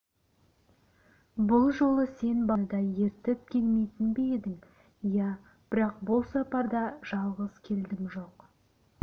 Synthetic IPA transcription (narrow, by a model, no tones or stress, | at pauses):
bʊlˠʒo̞lˠəse̞nbɑd̪ɑje̞ɾt̪ɪp̚kʲʰelmejt̪ɪnbeed̪ɪŋ | jæ | b̥ɪɾɑqbʊlˠsɑpɑɾd̪ɑʒ̥ɑlˠʁəz̥kʲʰe̞ld̪ɪmʒo̞q